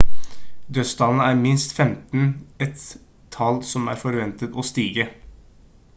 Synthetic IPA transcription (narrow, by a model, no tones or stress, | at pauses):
d̪øsd̪ɑːln̩əæːɾmɪnst̪fɛmt̪n̩ɛt̪ʰː | ɑlsɔmæ̰ːɾfɔɾʋɛnt̪ət̪ɔst̪iːɡə